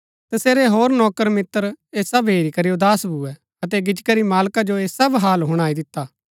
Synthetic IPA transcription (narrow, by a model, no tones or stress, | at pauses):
t̪ɐseːɾeɦoːɾnɔːkəɾmɪt̪ːəɾeːsɐbɦeːɾikɐɾiːod̪aːsbʱuɛ | ɐt̪ɛɡɪd͡ʒkəɾimaːlkad͡ʒoeːsɐbɦaːlɦʊɽ̃aːid̪ɪt̪ːaː